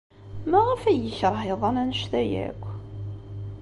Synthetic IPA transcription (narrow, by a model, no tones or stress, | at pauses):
mæʁəfæjəçɾˤɦeðˤɑnænʃθæjæ̰kʷː